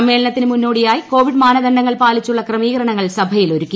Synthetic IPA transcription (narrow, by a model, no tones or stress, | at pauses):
mːe̞ːlɐnɐt̪ːinɨmunːo̞ːɽijaːjiko̞ːʋiɖmaːnɐd̪ɐɳɖɐŋːɐɭpaːlit͡ɕːuɭːɐkrɐmiːɣɐɾɐɳɐŋːɐɭsɐbʱɐjilo̞ɾukʲːu